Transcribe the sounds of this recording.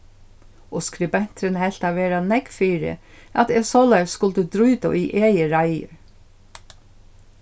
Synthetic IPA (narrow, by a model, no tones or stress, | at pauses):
ɔskɾɪbɛn̥t̪ɾɪnhɛl̥t̪aveːɾanɛkfiːɾɪ̰ | at̪ɛsɔːlɛjsːkʊlt̪əd̪ɾuːt̪a̰ʔiʔeːjəɾajɪ̰ɾ